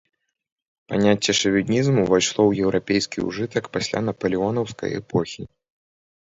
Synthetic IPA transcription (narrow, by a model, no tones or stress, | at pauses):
panʲat͡sʲːɛʂɐvʲinʲizmuvajʂlˠɔwjɛwɾapʲejskʲḭṵʐɨt̪ɐkpasʲlʲa̰nɐpɐlʲiɔnɐwskɐ̰jɛ̰pɔxʲi